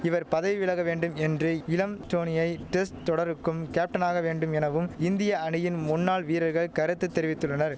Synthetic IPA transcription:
ɪʋɐɾpɐðɐʋʋɪɭɐɣɐʋeːɳɖɯmɛndrɯɪlɐmʈoːnɪjɐɪʈɛsʈt̪ɔɽɐɾɯkːɯmkeːp̚ʈɐnaːɣɐʋeːɳɖɯmɛnɐʋɯmɪnd̪ɪjɐɐɳɪjɪnmʊnːaːɭʋiːɾɐɾɣɐɭkɐɾɛt̪ːɯt̪ːɛɾɪʋɪt̪ːɯɭːɐnɐɾ

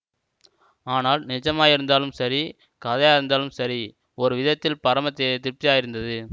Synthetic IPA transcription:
aːnaːlnɪd͡ʒɐmaːjɪɾɯnd̪aːlɯmsɐɾi | kɐðɐjaːjɪɾɯnd̪aːlɯmsɐɾi | ɔɾɯʋɪðɐt̪ːɪlpɐɾɐmɐt̪ːɪt̪ːɪɾp̚t̪ɪjaːjɪɾɯnd̪ɐðɯ

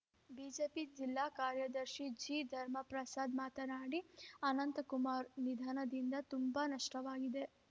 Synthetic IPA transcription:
biːd͡ʒeːpid͡ʒilːaːkaːɾjɐd̪ɐɾʃid͡ʒiːd̪ʱɐɾmɐpɾɐsaːd̪maːt̪ɐnaːɽiɐnɐnt̪ɐkumaːɾnid̪ʱaːnɐd̪ind̪ɐt̪umbɐnɐʂʈɐʋaːɡid̪e̞

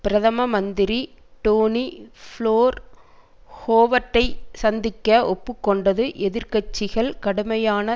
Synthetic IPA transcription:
pɪɾɐðɐmɐmɐnd̪ɪɾiʈoːnifɭoːɾ | hoːʋɐʈːɐɪsɐnd̪ɪkːɐɔpːɯkːɔɳɖɐðɯʔɛðɪɾkɐt͡ʃːɪɣɐɭkɐɽɯmɐjaːnɐ

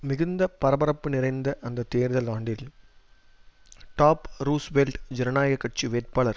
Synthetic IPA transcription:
mɪɣɯnd̪ɐpɐɾɐbɐɾɐpːɯnɪrɐɪnd̪ɐʔɐnd̪ɐt̪eːɾðɐlaːɳɖɪl | ʈaːpɾuːsʋelʈd͡ʒɛɾɐnaːjɐɣɐkːɐʈ̚t͡ʃiʋeːʈ̚paːɭɐɾ

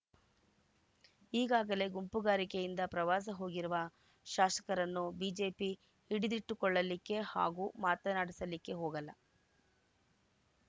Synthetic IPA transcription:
iːɡaːɡɐle̞ɡumpuɡaːɾikejind̪ɐpɾɐʋaːs̬ɐɦo̞ːɡiɾuʋɐ | ʃaːʃɐ̥kɐɾɐnːubiːd͡ʒe̞ːpi | iɽid̪iʈːukɔɭːɐlikːe̞ha̰ːɡuːmaːt̪ɐnaːɽisɐlikːe̞ɦoːɡɐlːɐ

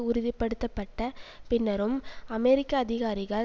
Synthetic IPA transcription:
ʊɾʊðɪpːɐɽɯt̪ːɐpːɐʈːɐpɪnːɐɾɯmɐmɛɾɪkːɐːðɪɣaːɾɪɣɐɭ

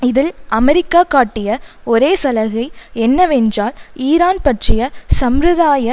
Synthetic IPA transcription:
ɪðɪlɐmɛɾɪkːaːkːaːʈːɪjɐɔɾeːsɐlɐɣɐɪɛnːɐʋɛndraːliːɾaːnpɐʈrɪjɐsɐmɾɯðaːjɐ

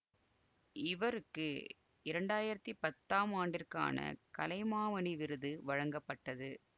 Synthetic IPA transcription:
ɪʋɐɾɯkːɯ | ɪɾɐɳɖaːjɪɾɐt̪ːipɐt̪ːaːmaːɳɖɪrka̰ːnɐ̰kɐlɐɪmaːʋɐniʋɪɾɯðɯʋɐɻɐŋɡɐpːɐʈːɐðɯ

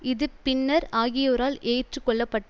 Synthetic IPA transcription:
ɪðɯppɪnːɐɾaːɣɪjoːɾaːleːʈrɯkːɔɭːɐpːɐʈːɐ

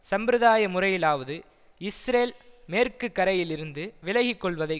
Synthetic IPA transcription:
sɐmbɾɯðaːjɐmʊrɐjɪlaːʋɐðɯ | ɪsɾeːlmeːrkɯkːɐɾɐjɪlɪɾɯnd̪ɯʋɪlɐɣɪkːɔɭʋɐðɐɪ

